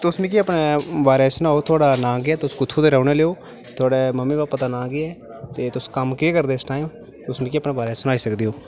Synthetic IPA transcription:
t̪ʊsmĩːk̬iəpneːbaːɾeːsʊnaːoːt̪ʰʊaːɽaːnãːɡɪɛːt̪ʊskʊt̪ʰːuːt̪eːɾɛːʊneːleːoː | t̪ʰʊaːɽeːməmːĩːbaːpːət̪aːnãːɡɪɛː | t̪eːt̪ʊskəmkeːkəɾd̪eːsʈaːjõː | t̪ʊsmĩːkiəpneːbaːɾeːsʊnaːiːsəkd̪iːɦoː

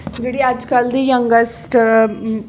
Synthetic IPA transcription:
d͡ʒeɽiad͡ʒkəld̪ijəŋɡəsʈ

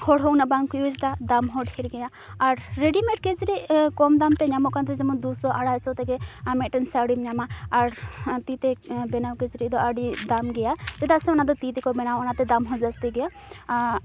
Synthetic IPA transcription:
hɔɽɦɔwnabaŋkɔjud͡ʒt̪ad̪amɦɔɖkʰeɾɡɛjaː | ɾːeɖimeʈked͡zɾikɔmd̪amt̪ɛɲamɔʔkant̪ɛd͡ʒɛmɔnd̪usɔʔaɽajsɔt̪ɛɡɛamɛʔʈənsaɽimɲamaːɾt̪it̪ɛbɛnawkezɾid̪ɔaɖid̪amɡɛjad͡ʒɛd̪asɛɔnad̪ɔt̪it̪ikɔbɛnawɔnat̪ɛd̪amɦɔzast̪iɡɛja

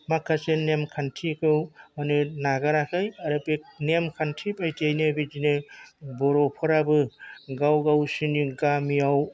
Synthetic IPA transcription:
makʰːasenemkʰantʰikɯwmanɯnaɡaɾakʰajaɾɯpenemkʰantʰipajtʰiajnɯbid͡ʒinɯbɔɾɔpʰɔɾabɯɡawɡawsiniɡamiaw

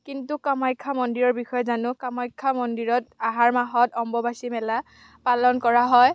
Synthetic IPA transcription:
kintukamajkʰːamɔndiɹɔɹbixɔjɛzanʊkamajkʰːamɔndiɹɔtaɦaɹmaɦɔtɔmbɔbasimɛla | palɔnkɔɹaɦɔj

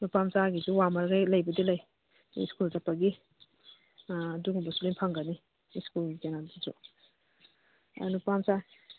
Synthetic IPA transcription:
nupamsaɡizuwamaɾɡajlajbadilaj | iskultapaɡi | duɡmbasulenpʰaŋɡani | skulɡikenadizṵ | a̰dnupamsa

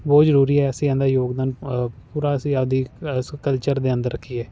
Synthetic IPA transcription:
bɔːt̪zəɾuːɾiːɛːəsĩːɛ̃nd̪aːjoːɡd̪aːnpuːɾaːsiad̪iːkəlt͡ʃəɾd̪eːə̃nd̪əɾːəkʰːiːɛː

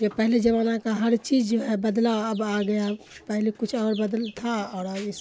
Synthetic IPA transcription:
kepəɦled͡ʒəβanakaɦəɾt͡ʃid͡ʒd͡ʒoɦɛbəd̪laəbaɡəja | pəɦlekut͡ʃʰɔːɾbəd̪lt̪ʰaɔːɾəbis

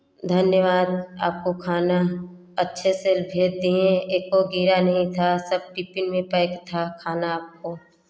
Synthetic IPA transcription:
d̪ʱɐnjəʋaːd̪̚a̰ːp̚kokʰaːna | ɐtːʃʰeseːlbʱeːɾ̚d̪ĩẽekoɡiːɾanɐɦĩt̪ʰasɐb̚ʈɪpɪnmẽpɐɪkt̪ʰakʰaːnaaːp̚koː

